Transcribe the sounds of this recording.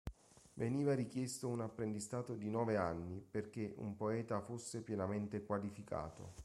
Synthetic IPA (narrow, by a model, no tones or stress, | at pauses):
veniːvaɾik̟jɛst̪ounapːɾend̪ist̪aːt̪od̪inɔːveanːiperk̟eʔṵmpoɛːt̪afusːepjɛnament̪ekwalifika̰ːt̪o̰